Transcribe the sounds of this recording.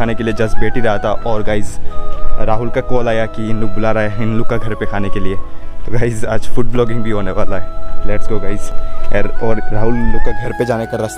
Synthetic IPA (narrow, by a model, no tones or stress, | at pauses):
aːnekelied͡ʒɐsbeːʈiɾɐɦat̪ʰaʔɔːɾɡaːɪz | ɾaːɦʊlkakɔːlaːjakiɪnlʊk̚bʊlaːɾaɦɛɦɪnlʊkːaɡʱɐɾpekʰaːnekeliet̪oɡaːɪzad͡ʒfʊʈ̚blɔːɡɪ̃ŋɡbʱiɦoːneʋaːlaɦɛlɛʈsɡoːɡaːɪz | ɔːɾːaːɦʊlːʊkːaɡʱɐɾped͡ʒaːnekɐɾːɐs